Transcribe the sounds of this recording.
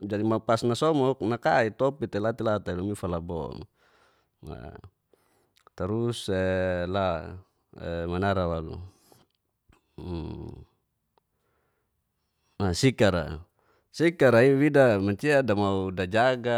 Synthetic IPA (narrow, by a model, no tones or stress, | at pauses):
d͡ʒadimaupasnasɔmɔk̚nakait̪ɔpit̪ɛlat̪ilat̪ailumifalabɔ̰ŋ | a̰ | t̪aɾusɛla | ɛ̰manaɾawalṵ | asikaɾa̰ | sikaɾaiwidamaɲt͡ʃiadamaudad͡ʒaɡa